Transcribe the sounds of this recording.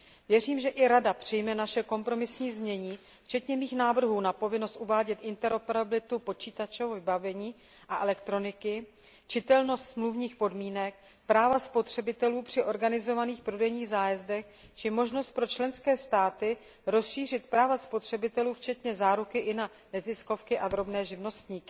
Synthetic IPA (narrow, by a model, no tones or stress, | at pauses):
vjɛriːmʒɛʔɪɾadapr̥ɪjmɛnaʃɛko̞mpɾo̞mɪsɲiːzmɲɛɲiː | ft͡ʃɛt̪ɲɛmiːxnaːvr̩ɦuːnapo̞vɪno̞st̪ʔuvaːɟɛt̪ʔɪnt̪ɛɾopɛɾabɪlɪt̪upo̞t͡ʃiːt̪at͡ʃovvɪbavɛɲiː | ʔaʔɛlɛkt̪ɾo̞nɪkɪ | t͡ʃɪt̪ɛlno̞st̪smluvɲiːxpo̞dmiːnɛk̚ | pɾaːvaspo̞t̪r̝̥ɛbɪt̪ɛluːpr̝̥ɪʔo̞ɾɡanɪzo̞vaniːxpɾodɛjɲiːɣzaːjɛzdɛx | t͡ʃɪmo̞ʒno̞st̪̚pɾo̞t͡ʃlɛnskɛːst̪aːt̪ɪ | ɾo̞sʃiːr̝ɪt̪pɾaːvaspo̞t̪r̝̥ɛbɪt̪ɛluːft͡ʃɛt̪ɲɛzaːɾukɪʔɪna | nɛzɪsko̞fkɪʔad̪ɾo̞bnɛːʒɪvno̞st̪ɲiːkɪ̥